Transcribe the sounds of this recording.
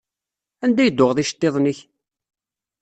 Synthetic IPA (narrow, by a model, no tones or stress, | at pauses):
ænd̪æjəd̪ːʊʁðiʃə̥t̪ːeðˤniç